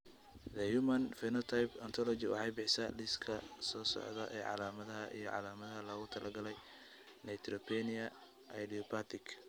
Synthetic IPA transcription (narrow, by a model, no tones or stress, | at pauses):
d̪ɐjumɐnfɛnɔt̪ʰajbɐnt̪ʰɔlɔt͡ʃɪwɑ̰ħɑjbɪħsɐlɪskʰɐsɔːsɔ̰ʕðɐʔɛːʕɑ̰laːmɐðɐɦɐʔḭjɔʕɑ̰laːmɐðɐɦɐlɐɣʊt̪ʰɐlʔɐɡɐlɛj | nɛjt̪ʰrɔpʰɛnɪɐ | ʔɐjdiɔpʰat̪ʰɪkʰ